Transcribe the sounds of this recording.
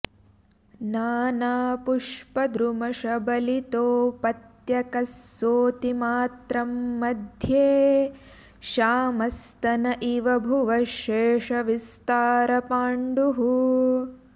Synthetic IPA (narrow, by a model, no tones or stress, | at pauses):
naːnaːpuʂpɐd̪ɾumɐʃɐbɐlit̪oːpɐt̪jɐkɐsːoːt̪imaːt̪ɾɐmːɐd̪ʱjeː | ʃaːmɐst̪ɐnɐʔiʋɐbʱuʋɐʃeːʂɐʋist̪aːɾɐpaːɳɖuɦu